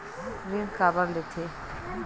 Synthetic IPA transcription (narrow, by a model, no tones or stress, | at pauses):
ɾimkabaɾlet̪ʰe